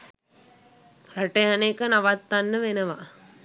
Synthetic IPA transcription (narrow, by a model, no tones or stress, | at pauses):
ɾaʈejanekənaʋat̪ːanːəʋenəʋa̰